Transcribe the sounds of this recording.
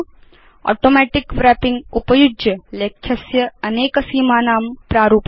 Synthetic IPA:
o̰ːʈoːmɛːʈikʋɾɛːpĩŋɡupɐjud͡ʒjɐlekʰjɐsjɐɐneːkɐsiːmaːnaːmpɾaːɾuːp

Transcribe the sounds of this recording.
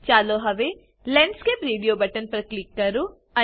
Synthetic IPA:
t͡ʃaːloɦɐʋe | lɛ̃ɳɖskepɾeːɖijoːbɐʈənpɐɾklikːɐɾu | ɐ

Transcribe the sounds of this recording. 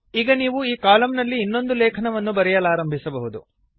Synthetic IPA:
iːɡɐniːʋuiːkaːlɐmnɐlːiːnːo̞nd̪ulɛːkʰɐnɐʋɐnːubɐɾɛjɐlaːɾɐmbʱisɐbɐɦud̪ṵ

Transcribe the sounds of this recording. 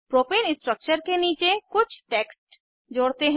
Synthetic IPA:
pɾopilɪsʈɾək̚t͡ʃəɾkeniːt͡ʃekʊt͡ʃʰʈeːksʈ | d͡ʒoːɽt̪eɦ

